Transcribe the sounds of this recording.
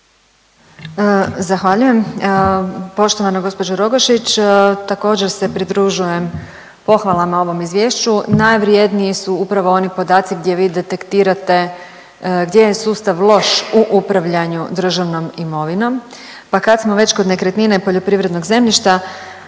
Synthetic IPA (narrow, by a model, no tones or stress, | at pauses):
zaxʋaʎuje̞m | po̞ʃt̪o̞ʋanoɡo̞spo̞d͡ʑoɾoɡoʃit͡ɕt̪ako̞ːd͡ʑe̞ɾse̞pɾid̪ɾuʒuje̞m | po̞xʋalˠamao̞ʋo̞mizʋje̞ːʃt͡ɕunajʋɾjed̪niisuupɾaʋo̞o̞nipo̞d̪aːt̪siɡd̪je̞ʋiːd̪e̞t̪e̞kt̪iːɾat̪e̞ | ɡd̪je̞jesuːst̪aʋlˠo̞ʃuʔupɾaʋʎaɲud̪r̩ʒaʋno̞mimo̞ʋino̞m | pakad̪smo̞ʋe̞t͡ɕkod̪ne̞kɾet̪ninepo̞ʎo̞pɾiʋɾe̞d̪no̞ɡze̞mʎiʃt̪a